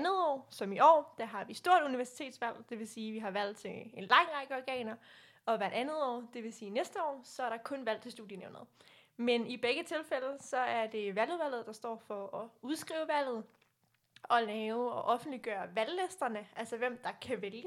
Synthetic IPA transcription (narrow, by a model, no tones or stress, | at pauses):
nð̩ˠɒ̰ːsɒ̽miʔɒ̰ːd̥æɦɑ̈ʋisd̥o̝ɐ̰ɾ̥uniʋæɐsi̥t͡sʰe̝̰ːd̥sʋæl̰d̥e̝ʋe̝siːʋiɦɑ̈ʋæl̰t͡sʰe̝e̝nlɑ̈ŋ̰ʁɑ̈ɡ̥əɒɡ̥ɛ̰ːnɐ | ɒ̽ʋæɐɾænð̞̩ˠɒ̰ːd̥e̝ʋe̝siːnesd̥əɒ̰ːsɒ̽æɐɾ̥ɑ̈kʰɔ̽nʋæl̰t͡sʰe̝sd̥ṵð̥ˠjəneʊnɐð̩ˠmenib̥eɡ̥ət͡sʰe̝lfeləsɒ̽æɐd̥e̝ʋæl̰uðˠʋæl̰ð̞̩ˠd̥ɑ̈sd̥ɒ̰ːfɒ̽ɒ̽uð̞ˠsɡ̥ʁḭːʊəʋæl̰ð̞̩ˠ | ɒ̽lɛːʊɒ̽ʔɒ̽fn̩d̥liɡ̥ɶːɐʋællesd̥ɐnəʔælsɐʋem̰d̥ɑ̈kʰæʋeljə